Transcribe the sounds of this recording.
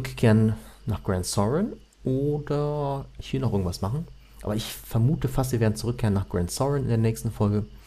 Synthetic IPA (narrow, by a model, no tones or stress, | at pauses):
t͡sʏkkʰeːʁənnaːχɡ̥ʁɛntsɔʁən | ʔoːdɐʔɪçv̥ɪlnɔʊʔɪɐɡŋ̩tvasmaχn̩ | ʔa̰ːbɐɪçfɛɐmuːtəfastv̥iːeɐdn̩t͡suʁʏkʰːeːʁənːaːχɡ̥ʁɛntsɔʁənɪ̰ndeːɐnɛːçstn̩fɔlɡə